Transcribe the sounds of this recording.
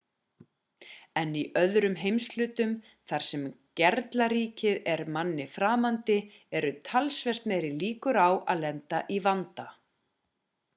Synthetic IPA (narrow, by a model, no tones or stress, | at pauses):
ɛniʔœðɾʏmɦejmslʏːt̪ʏm | θaɾ̥sɛm | cɛɾt̪laɾiːcɪðɛɾmanːɪfɾaːmant̪ɪ | ɛɾʏt̪ʰalsvɛr̥t̪meːɾɪliːkʏɾawa̰ðlɛnt̪aʔivant̪a